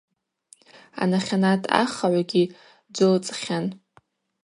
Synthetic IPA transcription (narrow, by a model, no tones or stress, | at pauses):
a̰naχʲanatʰʼa̰χaʕʷaɡʲi | d͡ʒʷɨlt͡sʼχʲan